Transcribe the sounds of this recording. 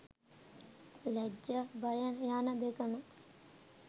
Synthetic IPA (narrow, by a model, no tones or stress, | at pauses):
lɛd͡ʒːəbajajaːnəd̪ekənu